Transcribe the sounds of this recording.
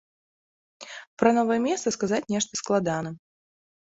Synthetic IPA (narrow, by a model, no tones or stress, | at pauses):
pɾɐnɔvɐjɛmʲɛst̪sɐskazat͡sʲnʲɛʂt̪ɐsklˠad̪anɐ